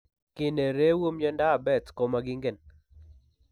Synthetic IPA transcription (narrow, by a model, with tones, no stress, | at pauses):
kɪ˦˨ne˨ɾe˦wo˦md͡ʒɔ˦nda˦˨bɛ˦˨tkɔ˨ma˦ɡɪ˦ŋɡe˨n